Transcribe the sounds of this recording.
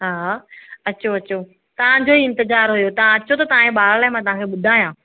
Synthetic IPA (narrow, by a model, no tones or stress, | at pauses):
ɦaːɐt͡ɕʰoɐt͡ɕo | t̪ɐʋ̤ãd͡ʑoɦiɪ̃nt̪ɪzaːɾɦujot̪ɐʋ̤ãɐt͡ɕʰot̪ɐt̪ɐʋãẽɓaːllaːɦɪmãt̪ɐʋ̤ãːkʰeɓʊd̪ʱaːjãː